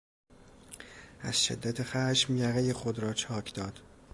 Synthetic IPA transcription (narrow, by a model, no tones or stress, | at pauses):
ʔæ̰z̥ʃḛd̪ːæt̪ʰexæʃmjæɣejexod̪ɾɒːt͡ʃʰɒːkʰd̪ɒːd̪̥